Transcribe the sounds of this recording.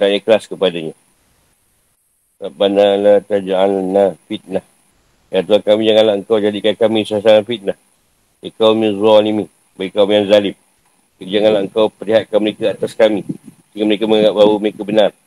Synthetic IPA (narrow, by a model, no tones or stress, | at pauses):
danəkəlaskəpadaɲa | babanalat̪ad͡ʒaanːafit̪̚lah | jat̪uankamĩd͡ʒaŋanlaʔəŋkawd͡ʒadikankamĩsas̬aɾanfit̪̚lah | əkawməzanimih | baɡikamjanzalɪm̚ | əd͡ʒaŋanlaəŋkawpəɾliɦat̪̚kanməɾekəat̪askami | siŋaməɾekəməŋaŋap̚bauməɾekəbənar